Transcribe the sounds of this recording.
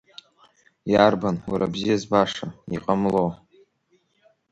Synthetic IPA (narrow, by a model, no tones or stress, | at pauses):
jarbanwaɾabzijazbaʂaiqʼamlo